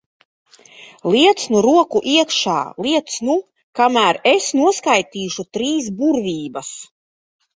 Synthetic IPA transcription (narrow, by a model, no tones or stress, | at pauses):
lˠiɛt̪snuɾuɔkuʔiɛkʃa̰ːlˠiɛt̪snu | kamæːɾesnuɔskajt̪iːʃut̪ɾiːs̬buɾvʲiːbas